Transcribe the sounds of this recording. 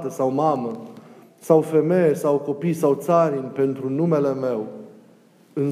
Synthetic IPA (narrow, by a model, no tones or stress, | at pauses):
t̪əsawmamə | sawfe̞me̞jesawko̞pijsawt̪saɾinʲpe̞nt̪ɾunume̞le̞me̞w | ɨn